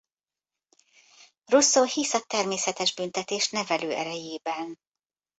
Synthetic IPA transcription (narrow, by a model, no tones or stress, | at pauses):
rusoːhisɒt̪ɛrmeːsɛt̪ɛʒbynt̪ɛt̪eːʃnɛvɛløːʔɛɾɛjeːbɛn